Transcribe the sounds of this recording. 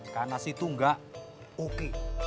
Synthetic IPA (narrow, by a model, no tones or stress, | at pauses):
kanasit̪uŋɡaʔ | uki